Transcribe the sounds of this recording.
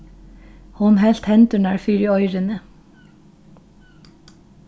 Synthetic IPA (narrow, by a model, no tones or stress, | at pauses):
hʊnhɛlt̪hɛnt̪ʉɳæːɹfyːɾɪɔʏɾənə